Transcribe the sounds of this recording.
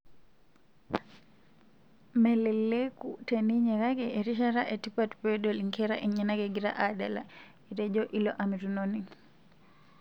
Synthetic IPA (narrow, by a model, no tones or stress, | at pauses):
mɛlɛlːekuteniɲɛɾaɡɛɛɾiʃaɾaʔɛtipatpɛɗɔliŋkɛɾaʔɛɲanaɡɛɡiɾa̰ʔadala̰ | ɛtɛd͡ʒɔʔilɔʔamiɾunoni